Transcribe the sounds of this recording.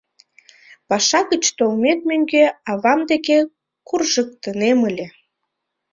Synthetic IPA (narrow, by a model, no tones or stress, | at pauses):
pɑʃɑɣət͡ɕt̪olmek̪̚mʲøŋɡeɑβɑmd̪eke | kurʒək̚t̪əneməlʲe